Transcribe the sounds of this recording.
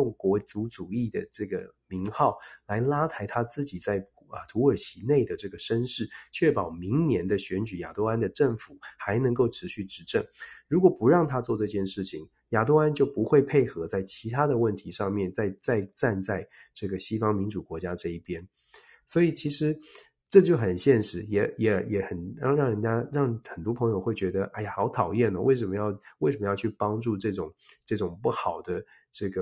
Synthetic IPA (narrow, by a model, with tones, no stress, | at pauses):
ŋkwɔ˧˥t͡su˧˥t͡su˨˩i˥˩d̪ə̰˩ʈ͡ʂɤ˥˩ɡə̰˩mi˧˥ŋxɑ˥˩ʊla˧˥ɪla˥t̪ʰa˧˥ɪt̪ʰa˥t͡sɹ̩˥˩t͡ɕi˨˩t͡sa˥˩ɪ˧ | t̪ʰu˧˥ə˞˨˩t͡ɕʰi˧˥ne˥˩ɪd̪ə˩ʈ͡ʂɤ˥˩ɡə˩ʂə˥nʂɻ̩˥˩t͡ɕʰɥɛ˥˩pɑ˨˩ʊmi˧˥ŋnjɛ˧˥nd̪ə˧ɕɥɛ˧˥nt͡ɕy˨˩ja̰˨˩t̪o˥ʊa˥nd̪ə˨ʈ͡ʂə˥˩ŋfu˨˩xa˧˥ɪnə˧˥ŋko˥˩ʊʈ͡ʂʰɻ̩˧˥ɕy˥˩ʈ͡ʂɻ̩˧˥ʈ͡ʂə˥˩ŋɻu˧˥kwɔ˨˩pu˧˥ɻɑ˥˩ŋt̪ʰa˥t͡swɔ˥˧ʈ͡ʂɤ˥˧t͡ɕjɛ˥˧nʂɻ̩˥˩t͡ɕʰi˨˩ŋ | ja˨˩t̪o˥ʊa˥nt͡ɕjo˥˩ʊpu˧˥xwe˥˧ɪpʰe˥˩ɪxɤ˧˥t͡sa˥˩ɪt͡ɕʰi˧˥t̪ʰa˥d̪ə˨wə˥˩nt̪ʰi˧˥ʂɑ˥˧ŋmjɛ˥˧nt͡sa˥˧ɪt͡sa˥˧ɪʈ͡ʂa˥˧nt͡sa˥˧ɪʈ͡ʂɤ˥˩ɡə˩ɕi˥fɑ˥ŋmi˧˥nʈ͡ʂu˨˩kwɔ˧˥t͡ɕja˥ʈ͡ʂɤ˥˧i˥˩pjɛ˥n | swɔ˧˥i˨˩t͡ɕʰi˧˥ʂɻ̩˧˦ | ʈ͡ʂɤ˥˧t͡ɕjo˥˩ʊxə˨˩nɕjɛ˥˩nʂɻ̩˧˥jɛ˧˥jɛ˧˥jɛ˧˥xə˨˩nɻɑ˥˧ŋɻɑ˥˩ŋɻə˧˥nt͡ɕja˥ɻɑ˥˩ŋxə˨˩nt̪wɔ˥pʰɤ˧˥ŋjo˨˩ʊxwe˥˩ɪt͡ɕɥɛ˧˥d̪ə˧ʔa˥˩jxɑ˧˥ʊt̪ʰɑ˨˩ʊjɛ˥˩nə˩we˥˩ʂə˧˥mə˧˦jɑ˥˧ʊwe˥ɪʂə˧˩mə˦jɑ˥˧ʊt͡ɕʰy˥˩pɑ˥ŋʈ͡ʂu˥˧ʈ͡ʂɤ˥˩ʈ͡ʂʊ˨˩˦ŋ | ʈ͡ʂɤ˥˩ʈ͡ʂʊ˨˩ŋpu˥˩xɑ˨˩ʊd̪ə˦ | ʈ͡ʂɤ˥˩ɡə˩